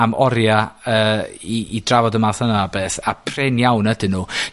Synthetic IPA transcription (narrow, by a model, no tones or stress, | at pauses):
amʔɔɾjaəːiidravɔdəmaθənabeːθapʰrɛnjawnədɪnuː